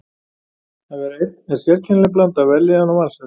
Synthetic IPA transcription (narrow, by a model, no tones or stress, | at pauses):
ɛvɛɾejt̪̚nɛ̥sjɛɾcʰɛnlɛp̬lant̪avɛlːɪanɔmalsɛ